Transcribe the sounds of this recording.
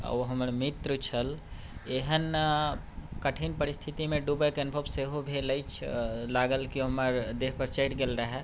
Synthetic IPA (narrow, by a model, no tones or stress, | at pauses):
ə̰ɦəməɾmit̪ɾət͡ʃʰəl | eɦən | kəʈʰinpəɾist̪ʰit̪imẽɖubəjkeənbʱəbseɦobʱeləjt͡ʃʰlaɡəlkiɦəməɾd̪eɦpəɾt͡ʃəɪʈɡelɾəɦɛ